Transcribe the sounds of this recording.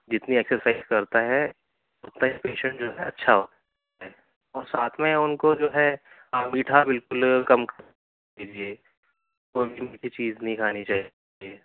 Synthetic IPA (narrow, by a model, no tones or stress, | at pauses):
d͡ʒɪt̪nieːksəɾsaɪzkɐɾt̪aɦɛ | ʊt̪naipeːʃə̃ɳʈd͡ʒoːɦɛɐtːʃʰaɦoːt̪ | aɦɛ | ɔːɾsaːt̪ʰmẽʊnkod͡ʒoːɦɛ | aːmiːʈʰabɪlkʊlkɐmk | iːd͡ʒie | koːbʱimkʰit͡ʃiːznɐɦĩkʰaːnit͡ʃaːɦ | ieː